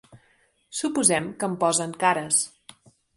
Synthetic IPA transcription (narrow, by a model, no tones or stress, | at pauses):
supuzɛmkəmpɔzəŋkaɾəs